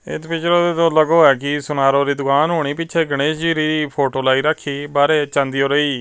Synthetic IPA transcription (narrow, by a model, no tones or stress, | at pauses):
ɪ̰t̪pɪt͡ʃɾod̪eːt̪õːləɡoːɛːkɪsʊnaːɾõːɾiːd̪ʊkaːnɦoːɽ̃iːpɪt͡ʃʰeːɡəɽ̃eːsd͡ʒiːɾiːiːpʰoːʈoːlaːiːɾəkʰːiːbaːɾeːt͡ʃə̃nd̪iːoːɾəiː